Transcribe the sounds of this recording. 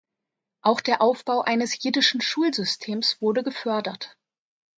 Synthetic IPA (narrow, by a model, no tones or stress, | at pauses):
ʔaʊxd̥eːɐʔaʊfb̥aʊʔaɪnəsjiːdɪʃn̩ʃuːlzʏstʰeːmsv̥ʊɐdəɡəfœɐdɐt